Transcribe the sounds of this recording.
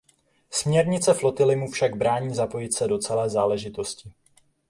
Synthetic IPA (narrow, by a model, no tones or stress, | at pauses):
smɲɛɾɲɪt͡sɛflo̞t̪ɪlɪmufʃaɡ̚bɾaːɲiːzapo̞jɪt̪sɛdo̞t͡sɛlɛːzaːlɛʒɪt̪o̞scɪ